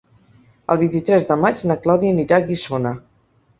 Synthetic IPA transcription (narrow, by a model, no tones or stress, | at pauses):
ə̰lˠβint̪it̪ɾɛzðəmad͡ʒnəklɔðiəniɾaɣisonə